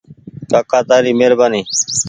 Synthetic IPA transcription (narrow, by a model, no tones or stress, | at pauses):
kaːkaːt̪aːɾiːmeːɾbaːniː